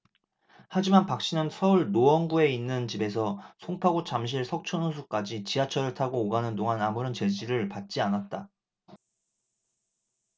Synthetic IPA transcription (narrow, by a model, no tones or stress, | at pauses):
had͡ʑimanpak̚ɕ͈inɯnsʰʌuɭnoʌnɡue̞inːɯnt͡ɕibe̞sʰʌsʰoŋpʰaɡut͡ɕamɕ̬ʰiɭsʰʌk̚t͡ɕʰʌnosʰuk͈ad͡ʑit͡ɕiat͡ɕʰʌɾɯɭtʰaɡoːɡanɯndoŋanamuɾʌnt͡ɕe̞d͡ʑiɾɯɭpat̚t͡ɕ͈ianat̚t͈a